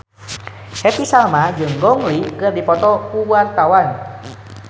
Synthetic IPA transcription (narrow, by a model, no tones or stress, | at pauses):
hɛp̪isalmad͡ʒɨŋɡɔŋlikɨrdipɔt̪ɔkuwart̪awan